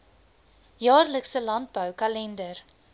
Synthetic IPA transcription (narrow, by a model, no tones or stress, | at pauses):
jɑːrləksəlɐnt̚bœwkɐlɛndər